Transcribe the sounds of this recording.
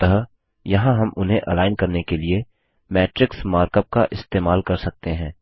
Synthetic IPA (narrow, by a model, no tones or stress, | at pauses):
t̪ɐɦ | jɐɦãɦɐmʔʊnɦẽʔɐlaːɪnkɐɾnekelie | mɛːʈɾɪksmaːɾkəp̚kaʔɪst̪eːmaːlkɐɾsɐk̚t̪eɦɛ̃ː